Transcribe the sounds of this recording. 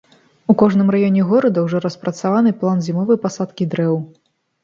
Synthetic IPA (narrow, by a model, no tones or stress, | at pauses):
ukɔʐnɨmrajɔnʲɛɣɔɾɐd̪ɐwʐɔɾɐspɾɐt̪savanɨplˠanzʲimɔvɐjpasat̪kʲid̪ɾɛw